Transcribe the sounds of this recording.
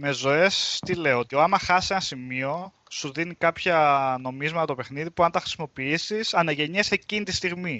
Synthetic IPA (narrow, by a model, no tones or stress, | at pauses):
me̞zo̞e̞st̪ile̞oot̪ioɐmɐxɐsise̞nɐsimio̞ | suðinikɐpçɐno̞mizmɐt̪ɐt̪ope̞xniðipuɐnt̪ɐxɾi̥simo̞piisisɐnɐʝe̞ɲesecinit̪ist̪iɣmi